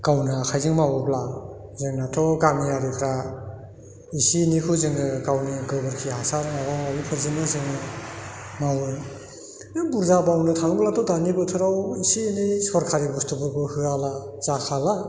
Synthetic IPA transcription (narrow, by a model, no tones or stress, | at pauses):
kawnakʰajzɯŋmawɯbla | zɯŋnatʰɔɡamijaɾikʰɾa | isinikʰɯzɯŋnɯkawniɡɯbɯɾkʰihasaɾɯŋabaalipʰɯɾzinɯzɯŋnɯ | mawɯɾ | nɯbuɾzabawnɯtʰaŋblatʰɔdanibɯtʰɯɾawisinisɔɾkʰaɾibustubɯbɯhɯalaz̥akʰala